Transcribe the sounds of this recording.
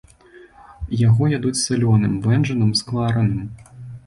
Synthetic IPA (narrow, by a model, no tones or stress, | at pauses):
jaɣɔjad̪ut͡sʲsɨlʲɔnɨmvɛnʐɐnɨmsklˠaɾɐnɨm